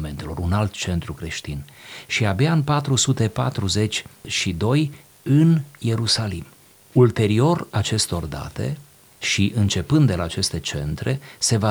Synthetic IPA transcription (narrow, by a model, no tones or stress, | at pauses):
ment̪elo̞ɾunalt̪t͡ʃe̞nt̪ɾukɾe̞ʃt̪inʃiabjaɨnpat̪ɾusut̪e̞pa̰t̪ɾuze̞t͡ʃʲʃid̪o̞j | ɨnje̞ɾusalim | ult̪e̞ɾio̞rat͡ʃe̞st̪o̞rd̪a̰t̪e̞̰ | ʃiʔɨnt͡ʃe̞pɨnd̪ːelaːt͡ʃe̞st̪e̞t͡ʃe̞̰nt̪ɾe̞se̞va